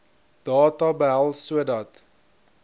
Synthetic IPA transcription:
d̥ɑːtɑbəɦælˠsuədɐt

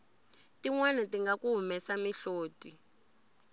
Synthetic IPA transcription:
tiŋwɛnɛtiŋɡakuɦumɛsamiɬoːtʼi

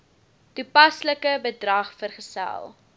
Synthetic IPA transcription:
tupɐsləkəbədrɐχfərχəsæ̰lˠ

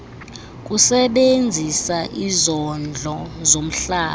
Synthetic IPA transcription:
k̬ʼusɛɓend͡zʱisaʔizɔnd͡ɮʱɔzom̩ɬaː

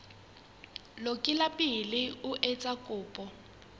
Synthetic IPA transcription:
lokʼɪlapʼɪlɪʊʔɛt͡sʼakʼʊːpʼɔ

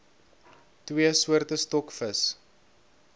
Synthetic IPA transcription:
twiəsuərtəstɔkfəs

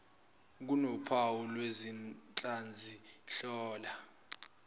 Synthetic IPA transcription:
k̬unɔpʰawulwezint͡ɬʼand͡zʱiɬɔːla

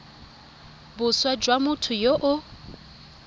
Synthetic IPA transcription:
bʊswad͡ʒwamʊtʰʊjoʔʊ

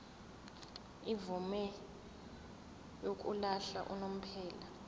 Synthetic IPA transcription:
ivumɛ | jok̬ʼṵlaɬa̰ʔṵnom̩pʰɛːla

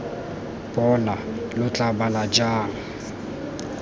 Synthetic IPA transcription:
bʼɔnalʊt͡ɬʼabalad͡ʒaːŋ̩

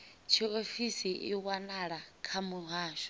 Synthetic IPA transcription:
t͡ʃʰiofisiʔḭwanaɺakʰamuɦaːʃɔ̥

